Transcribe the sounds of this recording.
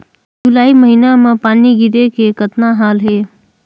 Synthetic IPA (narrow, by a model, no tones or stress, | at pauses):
d͡ʒʊlaːiməɦinamẽpaːniɡɪɾekekət̪naɦaːlɦeː